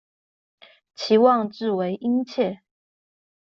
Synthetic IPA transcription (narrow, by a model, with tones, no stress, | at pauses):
t͡ɕʰi˨˥wɑ˥˨ŋʈ͡ʂɻ̩˥˩we˧˥ɪʔi˦˥ŋt͡ɕʰjɛ˥˨